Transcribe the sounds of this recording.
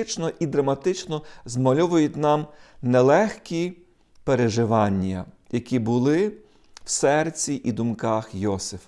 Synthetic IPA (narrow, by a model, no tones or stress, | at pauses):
t͡ʃnɔʔid̪ɾɐmɐt̪ɪt͡ʃnɔzmɐlʲɔʋʊjʊt̪ʲnɑmnɛlˠɛxkʲi | peɾeʒɪʋɑnʲːɐ̰ | jɐkʲibʊlˠɪ | w̥sɛrt͡sʲiʔid̪ʊmkɑxjɔsɪf